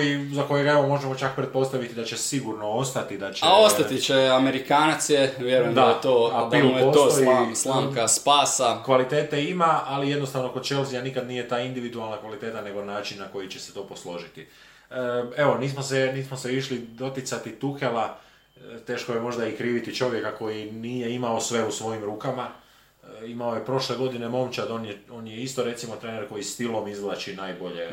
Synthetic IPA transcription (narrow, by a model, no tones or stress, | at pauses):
jizako̞jeɡae̞ʋo̞mo̞ʒemot͡ʃak̚pɾet̪̚po̞st̪aʋit̪id̪at͡ɕe̞siɡuɾno̞o̞st̪at̪id̪at͡ʃeaost̪at̪it͡ʃeameɾikaːnat̪sjeʋjeɾujemd̪at̪oːapiosot̪ojislaŋkaspaːsakʋalit̪e̞ːt̪e̞imaalije̞d̪nost̪aʋno̞kod̪t͡ʃeozijanikad̪niːje̞t̪aːind̪iʋid̪ualnakʋalit̪e̞ːt̪ane̞ɡo̞naːt͡ʃinːako̞jit͡ɕt͡ʃese̥t̪o̞ːpo̞slo̞ʒit̪i | e̞ʋo̞niːsmoseniːsmoseiʃlid̪o̞t̪jit̪sat̪it̪ukela | t̪e̞ːʃko̞jemo̞ʒd̪aikɾiːʋit̪it͡ʃo̞ʋje̞kako̞jiniːjeimao̞sʋe̞usʋo̞jimɾuːkama | imaojepɾo̞ʃle̞ɡo̞d̪ine̞mo̞mt͡ʃad̪onjo̞ːnjeist̪o̞ɾe̞t̪simo̞t̪ɾe̞ne̞ɾko̞jist̪ilo̞mizlˠat͡ʃinaːjbo̞ʎe